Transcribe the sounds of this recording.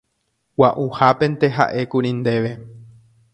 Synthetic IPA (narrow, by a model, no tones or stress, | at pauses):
waʔuhapẽ̞nt̪e̞ɦa̰ʔe̞kuɾĩnd̪e̞ʋe̞